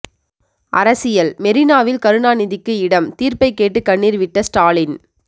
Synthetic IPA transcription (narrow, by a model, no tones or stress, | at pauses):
ʔɐɾɐsɪjɐlmɛɾɪnaːʋɪlkɐɾɯɳaːnɪðɪkːɯɪɽɐmt̪iːɾpɐɪkːeːʈːɯkɐɳːiːɾʋɪʈːɐsʈaːlɪn